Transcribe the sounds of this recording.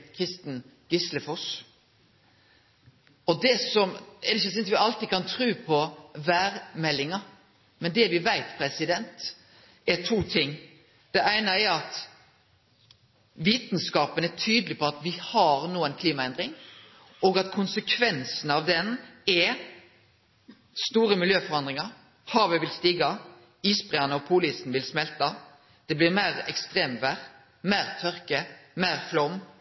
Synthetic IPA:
kʰɾɪst̪n̩ | ɡ̥ʏsləfɔs | ɔd̪ɛsɔmɛd̪ɪçːəsɪnʋɪɑlt̪iːkʰɑnt̪ʰɾʉːpʰɔʋæːɾmɛlːɪŋɑ | mɛnd̪ɛʋɪʋæɪt̪pʰɾɛsɪd̪ɛnt̪ | ɛt̪ʰuːt̪ʰɪŋː | d̪̥ɛʔæɪnəɛɾɑt̪ | ʋiːt̪n̩skɑːpənæʈʰyːd̪əlɪpʰɔɑt̪ʋɪhɑʁnuːənkʰliːmɑɛnd̪ʁɪŋ | ɔːɡɑt̪kʰʊnsəkʰʋɛnsn̩ɑʋd̪ɛnɛ | st̪uːɾəmɪljøːfɔɾʁɑnd̪ʁɪŋɑɾ | hɑːʋəʋɪlst̪iːɡɑ | iːsbʁɛːɑnəɔpʰuːliːsn̩ʋɪlsmɛlt̪ɑ | d̪̥ɛblɪʁmæɪʁɛ̰kst̪ʁeːmʋæʁ | mæɪʁt̪ʰœɾkəmæɪʁflɔmː

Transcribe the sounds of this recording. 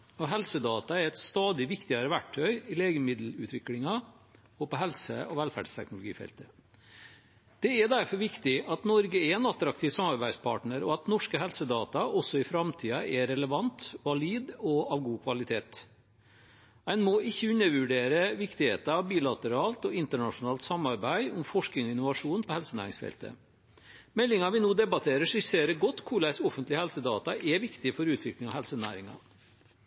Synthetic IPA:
ɔɦɛlsəd̪ɑːt̪ɑɛɾɛt̪st̪ɑːd̪ɪʋɪkt̪ɪɑɾəʋæʈʰːœʏɪleːɡəmɪd̪l̩ʉ̰ːt̪ʰʋɪklɪŋɑ | ɔpɔɦɛlsə̰ɔʋɛlfæ̰ɖ̥st̪ʰɛ̰knʊlʊɡḭːfɛ̰lt̪ə | d̪̥ɛɛd̪æɾfɔɾʋɪkt̪ɪʔɑt̪nɔɾɡəɛɾɛnɑt̪ɾɑk̚t̪ʰiːʋsɑmɑɾbæɪd̪spʰɑ̰ːʈɳəɾɔ̰ɑt̪nɔʂkəɦɛlsəd̪ɑːt̪ɑʔɔsːɔɪfɾɑmt̪ʰiːɑʔɛɾɛləʋɑnt̪ʋɑliːd̪ɔɑʋɡuːkʰʋɑlɪt̪ʰeːt̪ | æɪnmoʔɪçːəʉnːəʋʉɖeːɾəʋɪkt̪ɪhḛːt̪əɑʋbiːlɑt̪əɾɑːlt̪ɔɪnt̪əɳɑʂʊnɑːlt̪sɑmːɑɾbæɪʊmfɔʂknɪŋɔɪnʊʋɑʂuːnpʰɔhɛlsənæ̰ːɾɪŋsfɛ̰lt̪ə̰ | mɛlːɪŋɑʋɪnoːd̪ɛbɑt̪ʰeːɾəʂɪseːɾəɡɔt̪ːkʰʊɭæɪsɔfənt̪lɪhɛlsəd̪ɑːt̪ɑʔɛʋɪkt̪ɪfɔɾʉːt̪ʰʋɪklɪŋɑhɛlsənæ̰ːɾɪŋɑ̰

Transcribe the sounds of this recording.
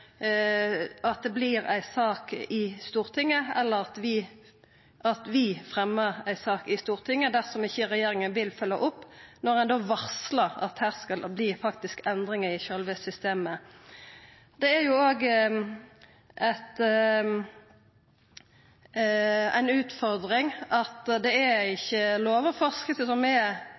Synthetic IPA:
ɑt̪̚d̪ɛbliːʁæ̰ɪsɑːkɪst̪uːʁt̪ʰɪŋːəɛlːəʁɑt̪ʋɪ | ʔɑt̪ʋɪfʁɛmːəʁæɪsɑːkɪst̪uːʁt̪ʰɪŋːəd̪æʁsɔmɪçəʁɛjeːɾɪŋənʋɪlfœlːə̰ʔʊpːnɔʁɛnd̪oːʋɑʁsləʁɑ̰t̪hæːʁskɑlbliːfɑkt̪ɪskɛnd̪ʁɪŋəɪçølʋəsʏst̪eːmə | d̪ɛæʁjʊoːɡ | æt̪ | æ̰ɪnʉːt̪fɔʁd̪ʁɪŋɑt̪d̪ɛæɪçːəloːʋəfɔʁskəsəsɔmɛ

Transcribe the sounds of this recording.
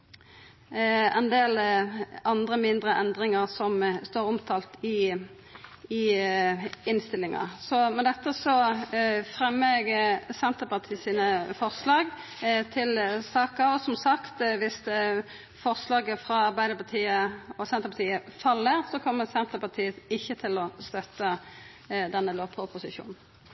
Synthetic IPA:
ɛnd̪eːl | ɑnd̪ʁəmɪnd̪ʁəʔɛnd̪ʁɪŋəʁsɔmst̪oːɾʊmt̪ʰɑːlt̪ɪ | ɪ | ɪnst̪ɪlːɪŋɑ̰sɔmɛnd̪ɛt̪ːəsɔ | fʁɛmːəɡsɛnt̪əpɑʁt̪ʰiːsiːnəfɔʁslɑːɡ | t̪ʰɪlsɑːkɑɔsɔmsɑkt̪ʋɪst̪ | fɔʁslɑːɡəfɾɑɑʁbæɪd̪əpɑt̪ʰiːəɔsɛnt̪əpɑt̪ʰiːəfɑlːəʁsɔkʰɔmːəsɛnt̪əpɑt̪ʰiːət̪ɪçːət̪ʰɪlɔst̪œt̪ːə | d̪ɛnːəloːpʰʊpʊsɪʃṵːnn̩

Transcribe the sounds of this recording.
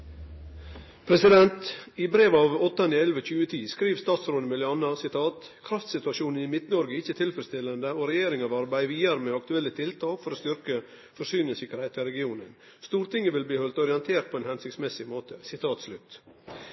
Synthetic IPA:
pʰɾɛsɪd̪ɛnt̪ɪbɾeːʋɑːʋɔt̪ːɑnɪɛlʋəc͡çʉːət̪ʰiːskɾiːʋst̪ɑːt̪sɾoːd̪əmɪlɪɑnɑsɪt̪ʰɑːt̪ | kʰɾɑft̪sɪt̪ʉɑʃuːnən̩ɪmɪt̪nɔɾɡəɪçːət̪ʰɪlfɾəst̪ɪlːənd̪əoːɾɛjeːɾɪŋɑʋɑɾbæɪʋiːəɾəmeːɑkt̪ʉɛlːət̪ʰɪlt̪ʰɑːkfɔɾoːst̪ʏɾkə | fɔʂyːnɪəsɪkəɾhæɪt̪ɪlɾɛɡɪuːnən | st̪uːɾt̪ɪŋːəʋɪlbliːhɔlt̪ɔɾɪɛnt̪ʰeːɾt̪̚pʰɔɛːnhɛnsɪksmɛsɪmoːt̪ʰəsɪt̪ʰɑːt̪slʉt̪

